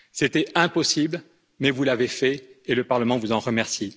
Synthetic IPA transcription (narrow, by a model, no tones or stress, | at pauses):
set̪ɛɛ̃pɔsibl | mɛvulavefɛeləpaʁləmɑ̃vuzɑ̃ʁəmɛʁsji